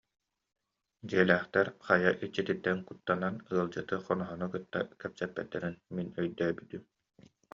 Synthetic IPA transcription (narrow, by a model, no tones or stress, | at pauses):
d͡ʑiɛlæːχt̪ɛɾχajaʔit͡ɕːit̪it̪ːɛnkut̪ːananɯɐlˠd͡ʑɯt̪ɯχɔnɔɦɔnɔkɯt̪ːa̰kɛpsɛpːɛt̪ːɛɾinminœjd̪œːbyt̪ym